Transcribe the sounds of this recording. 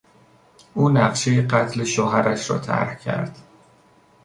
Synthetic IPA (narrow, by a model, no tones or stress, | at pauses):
ʔuːnæɢʃe̞jeɢæt̪ʰle̞ʃoːɦæɾæʃɾɒ̰ːt̪ʰæ̰ɾhcʰæ̰ɾd̪̥